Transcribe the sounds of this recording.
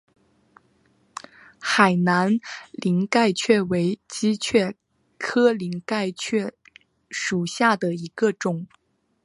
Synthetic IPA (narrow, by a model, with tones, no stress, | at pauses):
xa˨˩ɪna˧˥nli˧˥ŋka˥˧ɪt͡ɕʰɥɛ˥˩we˧˥ɪt͡ɕi˥t͡ɕʰɥɛ˥˩ | kʰɤ˥li˧˥ŋka˥˧ɪt͡ɕʰɥɛ˥˩ | ʂu˨˩ɕja˥˩d̪ə˩i˧˥ɡ̥ə˧ʈ͡ʂʊ˨˩˦ŋ